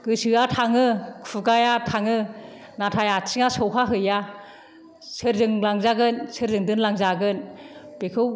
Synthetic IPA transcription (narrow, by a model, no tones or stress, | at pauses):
ɡ̥ɯsɯatʰaŋɯkfuɡajatʰaŋɯ | natʰajasʰiŋasɔwɦʰaɦɯja | sɯɾzɯŋlaŋzaɡɯnsɯɾzɯŋdɯnlaŋzaɡɯnb̥ekʰɯw